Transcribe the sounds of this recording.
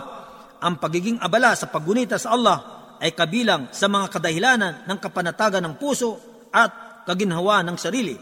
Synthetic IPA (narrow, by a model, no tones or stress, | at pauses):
ʔɐŋpɐɡiɡɪŋʔɐbɐlasɐpɐɡʊnit̪asɐʔɐlˠːɑh | ʔɐjkɐbiːlaŋsɐmɐŋakɐd̪ɐhɪlaːnɐnːɐŋkɐpɐnɐt̪aːɡɐnːɐŋpuːso̞ | ʔɐt̪̚kɐɡɪnɦɐwaʔnːɐŋsɐɾiːlɪ